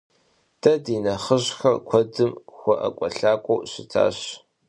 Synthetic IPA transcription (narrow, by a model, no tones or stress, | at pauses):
d̥ʰɐdiːnɐχəɕxɐrkʷʰɔdɨmxʷɔʔɐ̰kʷʼɔɬaːkʷʼowɕɪtʰa̰ːɕ